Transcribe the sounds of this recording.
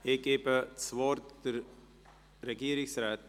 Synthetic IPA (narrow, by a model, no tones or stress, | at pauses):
eːkeːpsʋoːɾt̪ | ɾɐɡiːɾiksɾat̪̚